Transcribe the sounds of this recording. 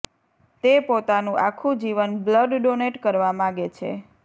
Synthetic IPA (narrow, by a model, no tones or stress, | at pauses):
t̪epot̪anũʔakʰũd͡ʒiʋənbləɖɖoneʈkəɾʋamãɡet͡ʃʰḛ